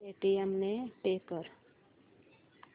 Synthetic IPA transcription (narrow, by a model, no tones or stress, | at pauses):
eʈiemneʈeːkːəɾ